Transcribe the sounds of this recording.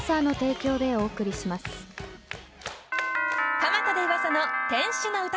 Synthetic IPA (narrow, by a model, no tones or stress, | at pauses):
sano̞t̪e̞ːkʲo̞ːd̪e̞o̞ːkɯ̟ɾʲiɕimasɨ̥ | kamat̪ad̪eiβasanot̪ẽ̞ɰ̃ɕɨnoɯ̟t̪a